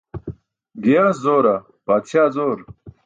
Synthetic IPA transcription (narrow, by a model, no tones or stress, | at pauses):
ɡijaːszoːɾɐ | paːt̪ɕjaːzoːɾ